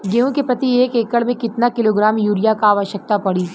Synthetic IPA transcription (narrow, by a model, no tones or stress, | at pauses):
ɡeõkepɾɐt̪ieːkeːkəɭmẽkɪt̪nakɪloːɡɾaːmjuːɾijakaːʋəʃjək̚t̪apɐɽiː